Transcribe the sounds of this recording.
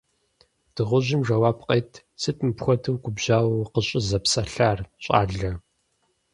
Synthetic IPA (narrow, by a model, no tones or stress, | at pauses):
d̥ɨʁʷʊʑɪmʒɐwaːpqʼɐjtʰ | sɨtʰʼmɨpxʷɔtʰɨwɡʷʊbʑaːwqəɕʼɪzɐpsɐɬaːrɕʼa̰ːɮɐ